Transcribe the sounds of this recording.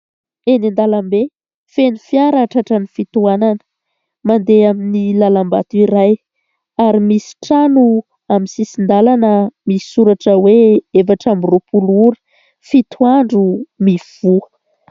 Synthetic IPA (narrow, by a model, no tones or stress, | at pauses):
enind̪alambe | fenifiaɾaʈ͡ʂaʈ͡ʂənifit̪uananə̥ | mand̪eaminilalamba̰t̪uiɾaj | aɾimisi̥ʈ͡ʂanu | amisisind̪alanəmii̥suɾaʈ͡ʂəweefaʈ͡ʂamirupuluɾi̥ | fit̪ʰuwaɳɖ͡ʐumiv̥uə